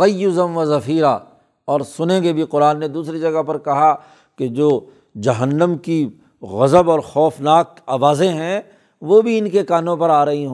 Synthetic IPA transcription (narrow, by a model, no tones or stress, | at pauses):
ɐjːʊzə̃nʋɐzɐfiːɾa | ɔːɾsʊnẽɡebʱiqʊɾaːnːed̪uːsɾid͡ʒɐɡəpɐɾkɐɦa | ked͡ʒoː | d͡ʒɐɦənːəmki | ɣɐzəbɔːɾxɔːfnaːk̚ | aːʋaːzẽɦɛ̃ | ʋoːbʱiɪnkekaːnõpɐɾaːɾɐɦiɦo